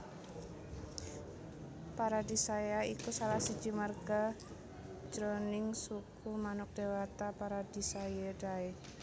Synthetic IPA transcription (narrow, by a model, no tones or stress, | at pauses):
paɾadisajaikusalahsi̥d͡ʒi̤marɡ̥ḁ | d͡ʒ̥ɾonɪŋsukumanʊk̚d̥ewat̪apaɾad̥isajedai